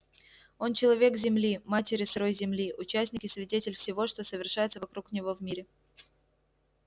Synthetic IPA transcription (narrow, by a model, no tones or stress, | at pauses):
o̞nt͡ɕɪlˠɐvʲe̞kzʲɪmlʲimatʲɪɾʲɪsɐɾo̞jzʲɪmlʲiʔʊt͡ɕæsʲnʲɪkʲɪsvʲɪdʲetʲɪlʲfsʲɪvo̞ʂt̪o̞səvʲɪrʂajɪt̪səvɐkɾuknʲɪvo̞vmʲiɾʲɪ